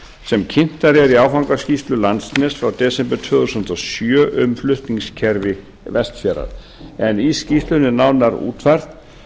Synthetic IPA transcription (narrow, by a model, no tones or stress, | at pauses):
sɛmcʰɪn̥t̪aɾɛɾiawfawŋkascist̪lʏlant̪snɛsfɾawt̪ɛːsɛmpɛt̪ʰvœːðusʏn̥t̪ɔsjœːʔʏmflʏht̪niŋscʰɛɾvɪ | vɛst̪fjɛːɾa̰ɾ̥ | ɛniscist̪lʏnːɪnawnaɾṵːt̪ʰvaɾ̥t̪